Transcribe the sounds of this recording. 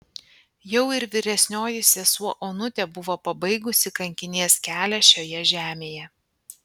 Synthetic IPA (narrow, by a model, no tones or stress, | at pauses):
jɛʊɪɾʋʲɪɾʲɛsʲnʲoːjɪsʲesuɔʔoːnʊt̪ʲɛbʊʋoːpɐbɐɪɡʊsʲɪkɐŋʲkʲɪnʲeɛskʲæːlʲɛʃʲoːjɛʒʲæːmʲeːjɛ